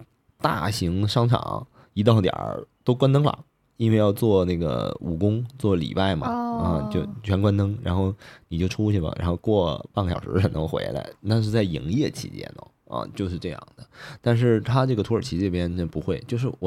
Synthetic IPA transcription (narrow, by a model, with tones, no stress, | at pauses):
t̪a̰˥˩ɕi˧˥ŋʂɑ˥ŋʈ͡ʂʰɑ̰˨˩˦ŋ | i˧˥t̪̬ɑ˥˧ʊt̪jɑ̰˨˩t̪o˥ʊkwa˥nt̪ɤ˥ŋlə̰˨˩ | i˥nwe˥˧ɪjɑ˥˧ʊt͡swɔ˥˩na˥˩ɡə̰˩ṵ˨˩kʊ˥ŋt͡swɔ˥˩lḭ˨˩pa˥˩ɪmɐ̰˩ɐ˥˧t͡ɕjo˥˧˩ʊt͡ɕʰɥɛ˧˥nkwa˥nt̪ɤ˥ŋɻa̰˧˥nxo˥˩ʊni˨t͡ɕo˥˩ʊʈ͡ʂʰu˥ɕʰɛ˥˩lə̰˩ɻa̰˧˥nxo˥˧ʊkwɔ˥˧pa˥˩ŋə˩ɕɑ˨˩ʊʂɻ̩̰˧˥ə˨˩nə˧˥xwḛ˧˥ɪla̰˧˥ɪna˥˧ʂ̬ɻ̩˥˧t͡sa˥˩ɪi˧˩ŋjɛ˥˩t͡ɕʰḭ˧˥t͡ɕjɛ̰˥nə̰˩ | ɐ̰˧˩t͡ɕjo˥˧ʊʂɻ̩˥˧ʈ͡ʂɤ˥˧jɑ̰˥˩ŋd̪ə˩t̪a˥˧nʂ̬ɻ̩˥˩t̪ʰa˥ʈ͡ʂɤ˥˩ɡə˩˧˥ə˞˨˩t͡ɕʰi˧˥ɤ˥˩pjɛ˥npu˧˥xwe˥˩ɪt͡ɕjo˥˧ʊʂ̬ɻ̩˥˩wɔ˨˩